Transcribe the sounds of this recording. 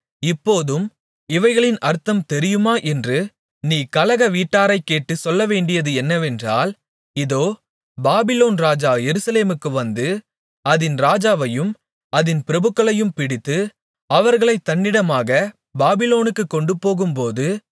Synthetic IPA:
ɪpːoːðɯm | ɪʋɐɪɣɐɭɪnʔɐɾt̪ːɐmt̪ɛɾɪjɯmaːʔɛndrɯ | niːkɐlɐɣɐʋiːʈːaːɾɐɪkːeːʈːɯsɔlːɐʋeːɳɖɪjɐðɯɛnːɐʋɛndraːl | ɪðoː | baːbɪloːnɾaːd͡ʒaːjɛɾɯsɐleːmɯkːɯʋɐnd̪ɯ | ɐðɪnɾaːd͡ʒaːʋɐjɯm | ɐðɪnpɪɾɐbɯkːɐɭɐjɯmpɪɽɪt̪ːɯ | ɐʋɐɾɣɐɭɐɪt̪ːɐɳːɪɽɐmaːɣɐ | baːbɪloːnɯkːɯkːɔɳɖɯpoːɣɯmpoːðɯ

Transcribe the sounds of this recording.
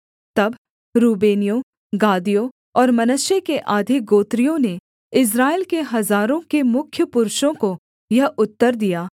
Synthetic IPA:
t̪ɐb | ɾuːbeːnijõ | ɡaːd̪ijõ | ɔːɾmɐnəʃjekeʔaːd̪ʱik̚ɡoːt̪ɾijõne | ɪs̬ɾaːɪlkeɦɐzaːɾõkemʊkʰjəpʊɾʃõko | jɐɦʊt̪ːəɾd̪ijaː

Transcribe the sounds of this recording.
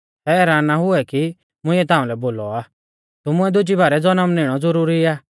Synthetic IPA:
sɛɛːɾaːnːaɦʊɛki | mʊ̃ɪ̃ɛt̪ãːũlɛboːlɔaː | t̪ʊmʊ̃ɛd̪ʊd͡ʒibaːɾɛd͡zɔnəmnɪɽ̃ɔd͡zɔɾuːɾiaː

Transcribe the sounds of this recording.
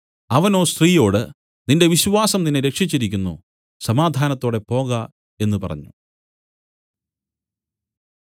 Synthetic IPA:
ɐʋɐno̞ːst̪riːjo̞ːɽɨ | ninde̞ʋiɕuʋaːsɐmninːeɾe̞kʂit͡ɕːiɾik̬ʲːunːṵ | sɐmaːd̪ʱaːnɐt̪ːo̞ːɽe̞po̞ːɣɐ | e̞nːupɐ̰rɐ̰ɲːu

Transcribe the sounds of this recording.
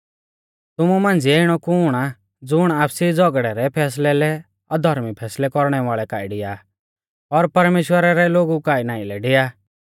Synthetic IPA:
t̪ʊmumãːnd͡ziɛɪɽ̃ɔkʊːɽ̃a | d͡zʊɽ̃aːpʰsid͡zɔɡɽɛɾɛpʰɛːs̬lɛlɛ | ɔd̪ʱɔɾmipʰɛːslɛkɔɾɽ̃ɛʋaːɭɛkaːiɖɪja | ɔɾpɐɾmeːʃwəɾaɾɛloːɡukaːinaːĩlɛɖeːaː

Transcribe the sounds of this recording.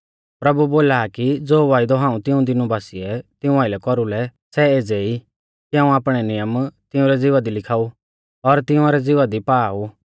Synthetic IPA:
pɾɐbuboːlakid͡zoːʋaːɪd̪ɔɦãːũt̪ɪũd̪ɪnubaːsiɛt̪ɪũaːɪlɛkɔɾulɛsɛeːd͡zɛi | kiɦãːũaːpɽ̃ɛnɪjəmt̪ɪũɾɛd͡zɪʋad̪ilɪkʰaːu | ɔɾt̪ɪũaːɾɛd͡zɪʋad̪ipaːu

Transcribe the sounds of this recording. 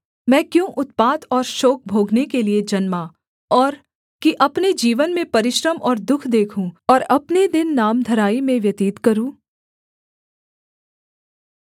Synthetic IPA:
mɛ̃ːkjõːʔʊt̪̚paːt̪ɔːɾʃɔːk̚ʰbʱoːɡnekelied͡ʒɐnmaː | ɔːɾ | kiʔɐpned͡ʒiːʋənmẽpɐɾɪʃɾəmʔɔːɾd̪ʊkʰd̪eːkʰũɔːɾɐpned̪ɪnːaːmd̪ʱɐɾaːimẽʋjɐt̪iːt̪kɐɾũː

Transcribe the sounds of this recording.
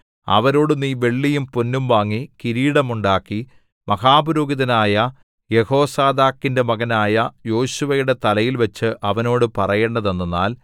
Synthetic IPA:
ɐ̰ʋɐɾo̞ːɽunːiːʋe̞ɭːijumponːumʋaːŋːikiɾiːɽɐmuɳɖaːkːi | mɐɣaːbuɾoːɡiðɐnaːjɐ | je̞ho̞ːsaːd̪aːkːinde̞mɐɣɐnaːjɐjo̞ːɕuʋɐjuɽe̞t̪ɐlɐjilʋɐt͡ɕːɨʔɐʋɐno̞ːɽɨpɐrɐjeːɳːɐðe̞nːunːa̰ːl

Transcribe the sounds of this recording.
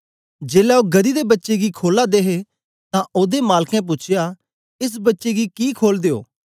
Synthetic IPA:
d͡ʒeːlɛoːɡəd̪id̪ebɐtːʃeɡikʰoːlad̪eːɦe | t̪ãʔoːd̪emaːlkɛ̃p̬ʊːt͡ʃʰɪja | ɪs̬bɐtːʃeɡikiːkʰoːld̪eːo̰ː

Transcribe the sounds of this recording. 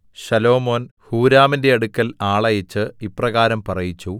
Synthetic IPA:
ɕɐlo̞ːmo̞ːnhuːɾaːminde̞ɐɽukʲːɐlaːɭɐjɐt͡ɕːɨipːrɐɣaːɾɐmpɐrɐjit͡ɕːu

